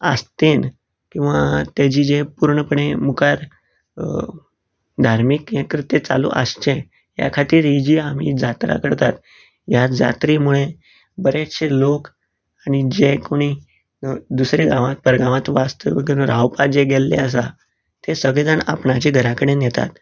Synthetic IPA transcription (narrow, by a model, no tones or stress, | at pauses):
ə̰st̪en | kĩw̃ʋat̪jad͡ʑiːd͡ʑepuɾɳəpəɽemukaɾ | d̪ʱaɾmikjekɾit̪jet͡sa̰lṵʔə̰st͡ɕẽ | ja̰kʰat̪iːɾid͡ʑiːam̤id͡zat̪ɾa̰kəɽt̪at̪ | jad͡za̰t̪ɾimuɭe | bəɾet̪ɕelok | añid͡ʑekoɽ̃i | d̪usɾeɡaʋat̪̚pəɾɡãʋat̪ʋast̪əʋəɡnɾawpad͡ʑeɡelːḛəs̬a | t̪esəɡɭed͡zaɳa̰pɳat͡ɕiɡʱəɾakəɽenjɛt̪a̰t̪